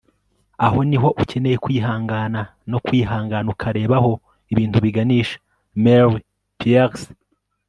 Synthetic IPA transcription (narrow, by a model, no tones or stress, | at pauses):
aho̞niɦo̞ʔucene̞jekwiːɦaːŋɡaːna | no̞kwiːɦaːŋɡanukʰaɾe̞ːβaho̞ | iβiːntuβiɡaniːʃḁ | meɾi | pias